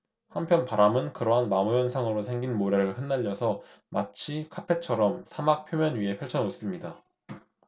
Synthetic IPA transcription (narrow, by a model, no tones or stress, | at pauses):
hampʰjʌnpaɾamɯnkɯɾʌɦanmamujʌnsʰaŋɯɾosʰe̞ŋɡinmoɾe̞ɾɯɭhɯnːaʎːʌsʰʌ | mat͡ɕʰikʰapʰe̞t͡ɕʰʌɾʌmsʰamak̚pʰjomjʌnɥie̞pʰʌɭt͡ɕʰʌnos͈ɯmɲida